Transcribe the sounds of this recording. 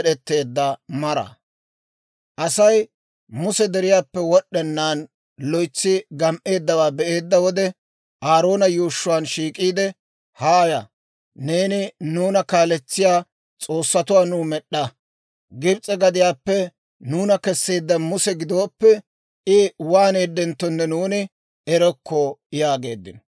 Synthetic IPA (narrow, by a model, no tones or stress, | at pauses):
ɗɛt̪ːe̞ːd̪ːɐmɐɾɐ̰ | ʔɐsɐj | mʊsɛd̪ɛɾɪjaːpːɛwɔɗːɛnːaːn | lɔjt͡sːɪɡɐmʔe̞ːd̪ːɐwaːbɛʔe̞ːd̪ːɐwɔd̪ɛ | ʔaːɾo̞ːnɐjuːʃːʊwaːnʃiːkʼiːd̪ɛ | haːjɐ | ne̞ːnɪnuːnɐkaːlɛt͡sːɪjaː | t͡sʼo̞ːsːɐt̪ʊwaːnuːmɛɗːɐ | ɡɪɾt͡sʼːɛɡɐd̪ɪjaːpːɛ | nuːnɐkɛsːeːd̪ːɐmʊsɛɡɪd̪oːpːɛ | ɪwaːneːd̪ːɛnt̪ːɔnːɛnuːnɪ | ɛɾɔkʰːɔjaːɡe̞ːd̪ːɪn